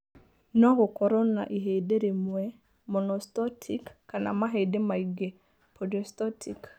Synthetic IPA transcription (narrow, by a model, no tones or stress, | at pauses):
nɔɡɔkɔɾɔna̰ʔiɦedeɾemwɛ | mɔnɔstɔtʰikːana̰maɦedemaiɡe | pʰɔdɔstɔtʰik